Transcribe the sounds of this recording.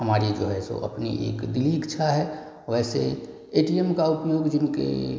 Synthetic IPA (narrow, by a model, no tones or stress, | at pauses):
həmaːɾid͡ʒoːɦɛso̰ʔɐ̰pnḭʔḛːkd̪ɪliːkt͡ʃʰaɦɛ | ʋɛːsḛ | eːʈiɛmkaʊpjoːɡd͡ʒɪnkḛ